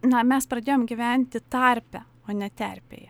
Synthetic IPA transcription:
nɐmʲɛspɾɐd̪ʲeːjoːmɡʲɪʋʲænʲt̪ʲɪt̪ɐɾʲpʲɛ | oːnʲɛt̪ʲɛ̰ɾʲpʲḛːjɛ

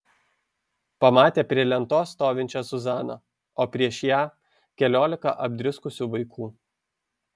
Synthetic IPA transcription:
pɐmɑːt̪ʲeːpʲɾʲiɛlʲɛnt̪oːst̪oːʋʲɪnʲt͡ʃʲosʊzɑːnɐ | oːpʲɾʲiɛʃjæː | kʲɛlʲoːlʲɪkɑ̰ʔɐbʲd̪ʲɾʲɪskʊsʲuːʋɐɪkʰuː

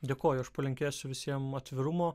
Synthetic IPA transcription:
d̪ʲeːkoːjʊɐʃpɐlʲɪŋʲkʲeːsʲʊʋʲɪsʲiɛmɐt̪ʲʋʲɪɾʊmoː

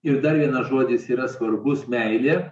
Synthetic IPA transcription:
ɪɾd̪ɐɾʋʲiɛnɐʒoɔd̪ʲɪsiːɾɐsʋɐɾbʊsmʲɛɪlʲeː

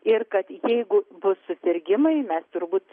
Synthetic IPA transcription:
ɪrkɐt̪jɛɪɡʊbʊssʊsʲɪɾʲɡʲɪmɐɪmʲɛst̪ʊɾbuːt̪

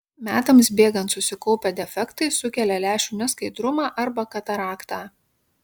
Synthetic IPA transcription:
mʲæːt̪ɐmsbʲeːɡɐnt̪sʊsʲɪkɔʊpʲɛd̪ʲɛfʲɛkt̪ɐɪsʊkʲɛlʲɛlʲæːʃʲuːnʲɪskɐɪd̪ɾʊmɑːʔɐɾbɐkɐt̪ɐɾɑːkt̪ɑː

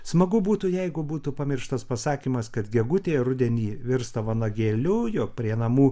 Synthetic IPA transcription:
smɐɡʊbuːt̪ʊjɛɪɡʊbuːt̪upɐmʲɪrʃt̪ɐspɐsɑːkʲiːmɐskɐt̪ɡʲɛɡʊt̪ʲeːɾʊd̪ʲɛnʲiːʋʲɪɾst̪ɐʋɐnɐɡʲeːlʲʊjoːk̚pʲɾʲiɛnɐmuː

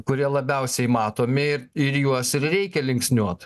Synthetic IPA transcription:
kʊɾʲiɛlˠɐbʲɛʊsʲɛɪmɑːt̪oːmʲɪɪɾɪɾjuɔsɪɾɾʲɛɪkʲɛlʲɪŋksʲnʲuɔt̪

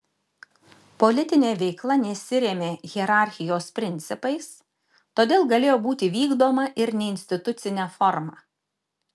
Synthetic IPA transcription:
pɔlʲɪt̪ʲɪnʲeːʋʲɛɪklˠɐnʲɛsʲɪɾʲeːmʲeːɣʲɛɾɑˑɾʲxʲɪjoːspʲɾʲɪnʲt̪sʲɪpɐɪs | t̪oːd̪ʲeːlˠɡɐlʲeːjoːbuːt̪ʲɪʋʲiːɡd̪oːmɐʔɪɾnʲɛɪnʲsʲt̪ʲɪt̪ʊt̪sʲɪnʲɛːfɔɾmɑː

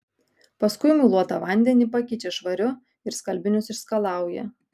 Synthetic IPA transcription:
pɐskʊɪmʲʊlˠuɔt̪ɐʋɐnʲd̪ʲɛnʲiːpɐkʲɪt͡ʃʲɛʃʋɐɾʲʊ | ɪɾskɐlʲbʲɪnʲʊsɪʃskɐlˠɑˑʊjɛ̰

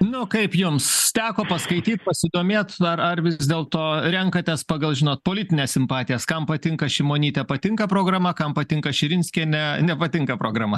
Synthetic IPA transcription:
nʊkɐɪpjʊmst̪ʲæːkoːpɐskɐɪt̪ʲiːt̪̚pɐsʲɪd̪oːmʲeːt̪ɐrɐrʋʲɪzʲd̪ʲeːlˠt̪oːɾʲɛŋkɐt̪ʲɛspɑɡɐlˠʒʲɪnoːt̪̚poːlʲɪt̪ʲɪnʲeːssʲɪmpɑːt̪ʲɪjɛskɐmpɐt̪ʲɪŋkɐʃʲɪmoːnʲiːt̪ʲɛpɐt̪ʲɪŋkɐpɾoːɡɾɐmɐkɐmpɐt̪ʲɪŋkɐʃʲɪɾʲɪnʲsʲkʲɛːnʲɛnʲɛpɐt̪ʲɪŋkɐpɾoːɡɾɐmɐ

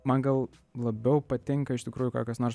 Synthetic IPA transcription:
mɐnɡɐlˠ | lˠɐbʲɛʊpɐt̪ʲɪŋkɐɪʃt̪ʲɪkɾuːjʊkɑːkɐsnoːrs

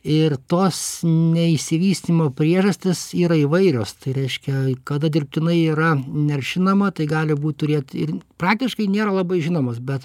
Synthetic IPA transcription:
ɪrt̪oːsnʲɛɪʃʲsʲɪʋʲiːsʲt̪ʲimoːpʲɾʲiɛʒɐsʲt̪ʲɪsiːɾɐɪʋɐɪɾʲoːst̪ɐɪɾʲɛɪʃʲkʲɛkɐd̪ɐd̪ʲɪrʲpʲtʲɪnɐɪiːɾɐnʲɛrʲʃʲɪnɐmɐt̪ɐɪɡɑːlʲɪbuːt̪̚ʲt̪ʊɾʲeːt̪ɪ̰rpɾɑːk̚t̪ʲɪʃkɐɪnʲeːɾɐlˠɑbɐɪʒʲɪnoːmosbʲɛt̪

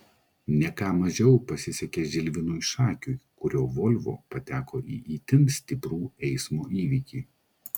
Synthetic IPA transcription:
nʲɛkɑːmɐʒʲɛʊpɐsʲɪsʲɛkʲeʒʲɪlʲʋʲɪnuːɪʃɑːkʲuːjkʊɾʲoːʋɔlʲʋo̰ːpɐt̪ʲæːkoːʔḭːʔiːt̪ʲɪmsʲt̪ʲɪpɾuːɛɪsmoːʔiːʋʲiːkʲiː

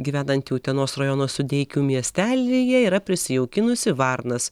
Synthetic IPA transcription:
ɡʲiːʋʲæːnɐnt̪juːt̪ʲiɛnoːsrɐjonoːsʊd̪ʲɛɪkʲuːmʲiɛsʲt̪ʲæːlʲejɛiːɾɐpʲɾʲɪsʲɪjɛʊkʲɪnʊsʲɪʋɐɾnɐs

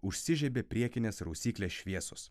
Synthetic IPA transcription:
ʊʃʲsʲɪʒʲɛbʲeːpʲɾʲiɛkʲɪnʲeːsɾusʲiːkʲlʲeːsʃʲʋʲiɛsʊs

